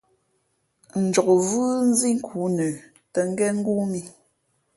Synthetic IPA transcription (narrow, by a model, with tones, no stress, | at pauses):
n̩˨d͡ʒɔ˨kvɯ˦n̩˦zi˦ŋ̩˦kʰuː˨˦nə˨ | tə˨ŋ̩˦ɡɛ˦ŋ̩˦ɡu˦mi˨